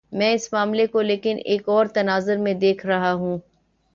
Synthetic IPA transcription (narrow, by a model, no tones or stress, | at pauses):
mɛ̃ːɪsmaːmlekoleːkɪnʔeːkɔːɾt̪ɐnaːzəɾmẽd̪eːkʰɾɐɦaɦũː